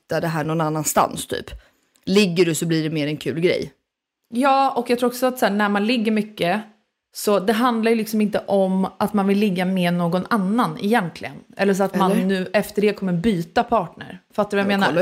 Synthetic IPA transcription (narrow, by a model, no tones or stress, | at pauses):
t̪ːad̪ɛɦæːɳɔnanːanst̪a̰nst̪ʰy̰ːp | lɪɡːəɖɵsɔbliːɖɛmeːɾɛnkʰʉ̟ːlɡɾɛ̰j | jɑːɔkjaɡt̪ʰɾuːɾɔksɔat̪sæːɳæɾmanlɪɡːəɾmʏkːə | sɔd̪ɛɦand̪laɾjʏlɪksɔmɪnt̪əʔɔmat̪manvɪlːɪɡːamɛnoːɡɔnanːanɪ̰jɛnt̪ʰlɪɡənʔɛ̰lːəʂ̬ɔat̪manːʉ̟ːʔɛft̪əɖɛkʰɔmːəɾbyːt̪apʰɑːʈɳə̰ɾfat̪ːaɾʉvajameːna